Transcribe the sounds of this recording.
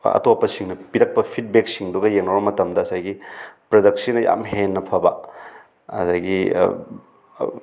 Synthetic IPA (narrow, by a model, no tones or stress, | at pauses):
ɐ̰topːɐsiŋnɐpiɾɐk̚pɐpʰit̚bek̚siŋduɡɐjeŋnobɐmɐtɐmdɐːsajɡipɾodɐk̚sinɐja̰mɦenːɐpʰɐbɐ | ɐ̰zajɡi